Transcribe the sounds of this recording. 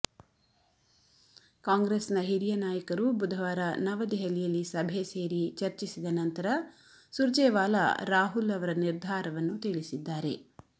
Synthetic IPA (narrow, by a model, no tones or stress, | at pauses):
kaːŋɡɾesnɐɦiɾijɐnaːjɐkɐɾubud̪ʱɐʋaːɾɐnɐʋɐd̪iɦɐlijɐlːisɐbʱeseːɾit͡ʃɐɾt͡ʃisid̪ɐnɐnt̪ɐɾɐ | suɾd͡ʒeːʋaːlɐ̰ɾaːɦulɐʋɐɾɐniɾd̪ʱaːɾɐʋɐnːut̪iɭisid̪ːaːɾe̞